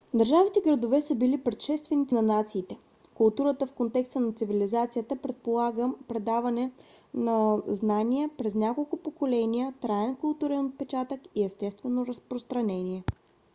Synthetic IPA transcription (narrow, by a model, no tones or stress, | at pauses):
d̪ɐɾʒavit̪ɛɡɾɐd̪ovɛsəbilipɾɛt̪ʃɛst̪vɛnit̪nɐnat̪siːt̪ɛ | kʊlˠt̪uɾət̪əfkont̪ɛkst̪ənɐt̪sivilizat̪sijət̪əpɾɛt̪̚polˠaɡəpɾɛd̪avɐnɛ | nɐznanijəpɾɛznʲakolˠkʊpokolɛnijət̪ɾaɛnkʊlˠt̪uɾɛnot̪̚pɛt͡ʃat̪əkiɛst̪ɛst̪vɛnoɾɐspɾost̪ɾɐnɛniɛ